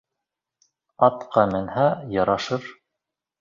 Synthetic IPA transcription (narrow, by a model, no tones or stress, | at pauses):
ɑt̪qɑmɘ̆nhæjɑɾɑʃɤɾ